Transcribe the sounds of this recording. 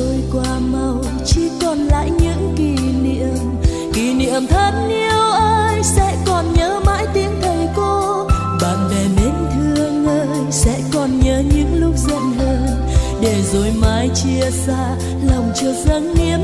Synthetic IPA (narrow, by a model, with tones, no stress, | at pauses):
o˧jkwaː˧˩ma˨˧˩w | t͡ɕi˧˩kɔ˨˩nla̰ː˧˨jɲɨ̰˧˥ŋki˧˩nḭ˧˨əm | ki˧˩nḭ˧˨əmt̪ʰə˨˦˥t̚ni˧əwʔəː˧jsɛ̰˧˥kɔ˨˩nɲəː˨˦maː˨˥jt̪i˨˦əŋt̪ʰə˨˩jko˧ | ɓaː˧˨nve˨˩me˨˦nt̪ʰɨ˧əŋʔəː˧jsɛ̰˧˥kɔ˨˩nɲəː˨˦ɲɨ̰˧˥ŋlʊ˦˥k͡p̚zə̰˧˨nlə˧n | ɗe˧˩zo˧˩jmaː˨˦jt͡ɕi˧əsaː˧ | lə˨˩wŋ͡mt͡ɕɨ˧˩k̚zə˧˦nːi˧˥ə